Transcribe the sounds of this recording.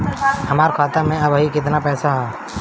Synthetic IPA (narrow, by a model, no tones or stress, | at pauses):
həmaːɾkʰaːt̪amẽəbəɦikɪt̪̬napɛːsaɦɛ